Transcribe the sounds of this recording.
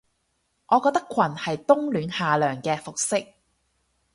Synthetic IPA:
ŋʔɔː˨˧kɔː˧k̚t̪ɐ˥kʷʰɐ˨˩nhɐ˨jt̪ʊ˥ŋlyː˨˧nhaː˨lœː˨˩ŋkɛː˧fʊ˨k̚sɪ˥k̚

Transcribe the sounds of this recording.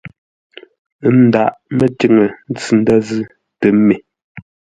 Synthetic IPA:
n̩˦da˨ʔmə˨ti˦˨ŋə˨n̩˦t͡sɨ˨n̩˦da˦zɨ˦ | tə˨me˨

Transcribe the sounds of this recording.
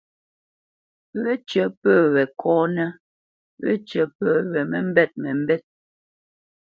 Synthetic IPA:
βɛ˦t͡ʃə˦pəː˦˨wɛ˨kʰɔː˦nɛ˦ | wɛ̰˦t͡ʃə˨pəː˦˨wɛ˨mɛ˨m̩˦bɛ˦t̚mɛ˨m̩˦bɛ˦t̚

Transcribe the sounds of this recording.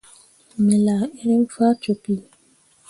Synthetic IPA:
me˨la˨e˦ɾe˦m̩˦fa˦t͡ʃo˨pi˦

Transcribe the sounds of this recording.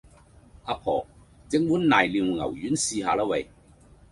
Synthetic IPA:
ʔaː˧pʰɔ̰ː˨˩ | t͡sɪ˨˥ŋwuː˨˥nnaː˨jliː˨˧wŋɐ̰˨˩wjyː˨˥nsiː˧ɦaː˧la˥wɐ˨˧j

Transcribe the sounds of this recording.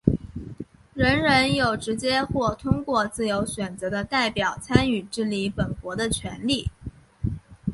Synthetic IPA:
ɻə˧˥nɻə˧˥njo˨˩ʊʈ͡ʂɻ̩˧˥t͡ɕjɛ˥xwɔ˥˩t̪ʰʊ˥ŋkwɔ˥˧t͡sɹ̩˥˩jo˧˥ʊɕɥɛ˨˩nt͡sɤ˧˥d̪ə˧t̪a˥˩ɪpjɑ˨˩ʊt͡sʰa˥ny˨˩ʈ͡ʂɻ̩˥˩li˧˥pə˨˩nkwɔ˧˥d̪ə˧t͡ɕʰɥɛ˧˥nli˥˩

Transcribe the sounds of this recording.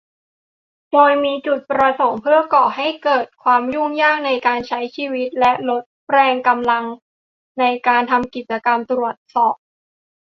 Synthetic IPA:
doː˧jmiː˧t͡ɕu˨˩t̪̚pɾa˧so˩˦ŋpʰɯ˥˩ɐkɔ˨˩ɦa˥˩jkɤː˨˩t̪̚kʰwaː˧mju˥˩ŋjaː˥˩k̚na˧jkaː˧nt͡ɕʰa˦˥jt͡ɕʰiː˧wi˦˥t̪̚lɛ˦˥ʔlo˦˥t̪̚pɾɛː˧ŋka˧mla˧ŋ | na˧jkaː˧nt̪ʰa˧mki˨˩t̪̚t͡ɕa˧ka˧mt̪ɾu˨˩ət̪̚sɔː˨˩p̚

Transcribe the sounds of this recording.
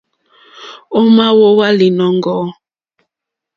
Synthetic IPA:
o˦ma˦wo˦wa˦li˨nɔ˦ŋɡɔ˦

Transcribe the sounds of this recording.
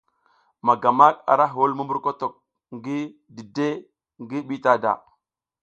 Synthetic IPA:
ma˨ɡa˨ma˦ka̰˨ɾa˦ɦwo˦lmu˦mbu˦ɾko˦to˨k̚ | ŋɡi˦ | di˨de˦ | ŋɡi˦ɓi˦ta˦da̰˨

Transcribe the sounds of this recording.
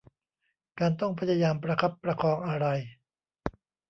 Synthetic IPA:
kaː˧nt̪ɔ˥˩ŋpʰa˧˥ja˧jaː˧mpɾa˧kʰa˦˥˩pːɾa˧kʰɔː˧ŋʔa˧ɾa˧j

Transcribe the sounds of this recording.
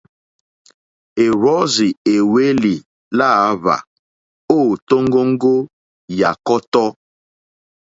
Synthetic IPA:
e˨ɾɔ˦zi˨e˨we˦li˨ | la˦˨˦va̰˨ | o˦˨to˦ŋ˦ɡo˦ŋ̩˦ɡo˦ | ja˨kɔ˦tɔ˦

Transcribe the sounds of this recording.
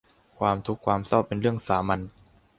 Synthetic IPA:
kʰwaː˧mt̪ʰu˦˥kʰːwaː˧msa˥˩wpe˧nɾɯ˥˩əŋsaː˩˦ma˧n

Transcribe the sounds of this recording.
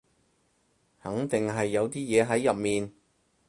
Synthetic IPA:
hɐ˨˥ŋt̪ɪ˨ŋɦɐ˨jːɐ˨˧wt̪iː˥jɛː˨˧ɦɐ˨˥jːɐ˨p̚miː˨n

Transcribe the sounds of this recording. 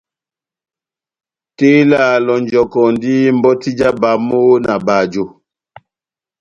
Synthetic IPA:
te˦la˦˨lɔ˨nd͡ʒɔ˨kɔ˨ndi˦m̩˨bɔ˦ti˦d͡ʒa˦ba˨mo˦na˨ba˨d͡ʒo˨

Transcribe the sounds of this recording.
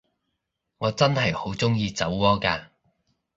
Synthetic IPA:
ŋɔː˨˧t͡sɐ˥nhɐ˨jho˨˥wt͡sʊ˥ŋjiː˧t͡sɐ˨˥wkɔː˥kaː˧

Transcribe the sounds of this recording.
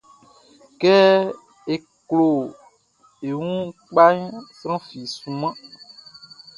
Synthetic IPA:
kɛ˦ | e˨ | klo˨ | e˨wũ˦k͡pa˦ɲsɾã˦fi˨sũ˨mã˦

